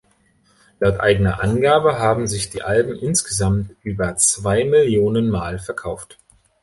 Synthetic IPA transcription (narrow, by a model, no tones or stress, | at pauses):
laʊtʔa̰ɪɡənɐʔanɡaːbəɦaːbm̩zɪçd̥iːʔalbm̩ʔɪnsɡ̥əzamtʔyːbɐt͡sv̥aɪmɪljoːnənmaːlfɛɐkʰaʊft